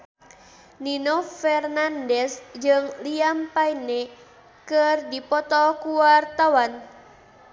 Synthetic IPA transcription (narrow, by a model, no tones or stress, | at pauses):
ninofɛrnandɛsd͡ʒɨŋliampaine | kərdipɔt̪ɔkuwart̪awan